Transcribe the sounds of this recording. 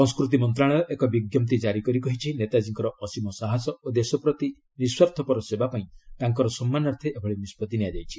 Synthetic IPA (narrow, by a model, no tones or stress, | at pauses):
sɔ̃ŋskɾut̪̬imɔnt̪̬ɾaɭ̃ɔɔʔekɔbiɡjɔmt̪id͡ʒaɾikɔɾikɔɦit͡ʃʰinet̪ad͡ʒiŋkɔɾɔʔɔsimɔsaɦasɔod̪esɔpɾɔt̪i | niswaɾt̪ʰɔpɔɾɔsebapaĩt̪aŋkɔɾɔsɔmːanaɾt̪ʰeʔebʰʱɔɭenispɔt̪inijad͡ʒajt͡ʃʰi̥